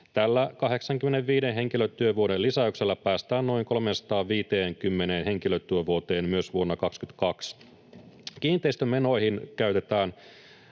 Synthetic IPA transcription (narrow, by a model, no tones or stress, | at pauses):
t̪ælːækɑɦe̞ksɑŋkymːeneʋʋiːdenɦe̞ŋkiløt̪ːyøʋuodelːisæykselːæpæːst̪æːnno̞iŋko̞lmensɑ̥t̪ɑːʋʋiːt̪eːŋkymːeneːnɦe̞ŋkiløt̪ːyøʋuot̪e̞ːmmyøsʋuo̞nːɑkɑkskyt̪kɑks | k̟iːnt̪ˑeist̪ømeno̞ihinkæyt̪e̞t̪æːn